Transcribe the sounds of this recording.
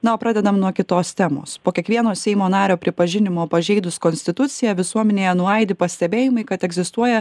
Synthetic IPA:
nɐoːpɾɑːd̪ʲɛd̪ɐmnuɔkʲɪt̪oːst̪ʲɛmo̰ːspoːkʲiɛkʋʲiɛnoːsʲɛɪmoːnɑːɾʲoːpʲɾʲɪpɐʒʲɪnʲɪmoːpɐʒʲɛɪd̪ʊskɔnʲsʲt̪ʲɪt̪ʊt̪sʲɪjɛʋʲɪsuɔmʲɛnʲeːjɛnʊɐɪd̪ʲɪpɐsʲt̪ʲɛbʲeːjɪmɐɪkɐt̪ɛɡzʲɪst̪uɔjɛ

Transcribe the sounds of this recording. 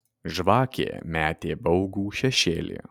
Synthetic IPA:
ʒʋɑːkʲḛːmʲæːt̪ʲeːbɒʊɡuːʃʲɛʃʲeːlʲḭː

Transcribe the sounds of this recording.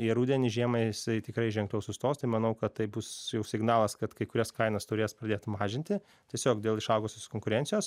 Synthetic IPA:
jɛɾuːdʲɛnʲɪʒʲiɛmɐɪɪsɐɪt̪ʲɪkɾɐɪʒʲɛŋklʲɛʊsʊst̪oːst̪ɐɪmɐnɐʊkɐt̪t̪ɐɪbʊsjɛʊsʲɪɡnɑːlˠɐskɐt̪kɐɪkʊɾʲɛskɐɪnɐst̪ʊɾʲeːspɾɐd̪ʲeːt̪mɑːʒʲɪnʲt̪ʲɪ | tʲiɛsʲoːkd̪ʲeːlˠɪʃɐʊɡoːsʲoːskoːŋkʊɾʲɛnʲsʲɪjoːs

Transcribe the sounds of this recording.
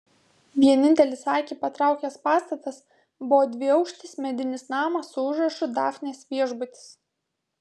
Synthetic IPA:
ʋʲiɛnʲɪnʲt̪ʲɛlʲɪsɑːkʲiːpɐt̪ɾɑˑʊkʲɛspɑːst̪ɐt̪ɐs | bʊʋɔːd̪ʲʋʲɪɐʊkʃʲt̪ʲɪsmʲɛd̪ʲɪnʲɪsnɑːmɐsʊʊʒɾɐʃʲʊd̪ɑ̰ːfʲnʲeːsʋʲiɛʒbʊt̪ʲɪ̥s

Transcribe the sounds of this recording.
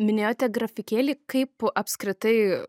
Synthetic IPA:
mʲɪnʲeːjoːt̪ʲɛɡrɐfʲɪkʲeːlʲiːkɐɪpɐpʲskɾʲɪt̪ɐɪ

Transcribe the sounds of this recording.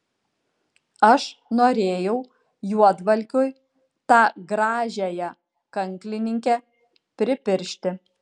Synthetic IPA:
ɐʃnoːɾʲeːjɛʊ | juɔd̪ʋɐlʲkʲʊj | t̪ɑːɡɾɑːʒʲæjɛ | kɐŋʲklʲɪnʲɪŋʲkʲɛ | pʲɾʲɪpʲɪɾʲʃʲt̪ʲɪ

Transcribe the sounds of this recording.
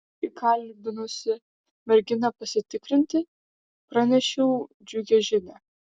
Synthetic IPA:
ikʰɐlʲbʲɪnosʲɪ | mʲɛɾʲɡʲɪnɐpɐsʲɪt̪ʲɪkɾʲɪnʲt̪ʲɪ | pɾɑnʲɛʃʲɛʊ | d͡ʒʲʊɡʲɛʒʲɪnʲɛ

